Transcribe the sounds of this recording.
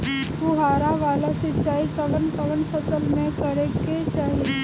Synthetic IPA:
uɦaːɾaʋaːlasɪt͡ʃaːikɐʋənkɐʋənpʰəsəlmẽkɐɾeket͡ʃaːɦie

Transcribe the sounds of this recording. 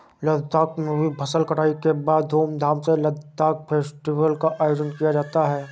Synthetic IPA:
ləɡd̪ʱaːkmẽbʱibʱɐsəlkɐʈaːikebaːd̪ʱoːmd̪ʱaːmseləɡd̪aːk̚pʰeːsʈiʋəlkaʔaːjoːd͡ʒə̃ɳʈkijad͡ʒaːt̪aɦɛː

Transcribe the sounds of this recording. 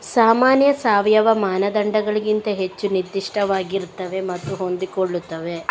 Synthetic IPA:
saːmaːnjɐsaːʋjɐʋɐmaːnɐd̪ɐɳɖɐɡɐɭiɡint̪ɐɦe̞t͡ʃːunid̪ːiʂʈʰɐʋaːɡiɾt̪ːɐʋe̞mɐt̪ːuɦo̞nd̪ikoɭːut̪ːɐʋe̞

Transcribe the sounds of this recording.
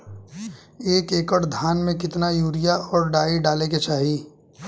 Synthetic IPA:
eːkeːkəɽd̪ʱaːnmẽkɪt̪najuːɾɪjaɔːɾɖaːiɖaːleket͡ʃaːɦiː

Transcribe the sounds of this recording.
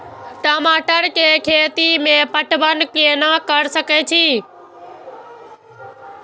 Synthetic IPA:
ʈaːmaːʈəɾkeːkʰeːt̪imẽpəʈʋənkenakəɽsəket͡ʃʰiː

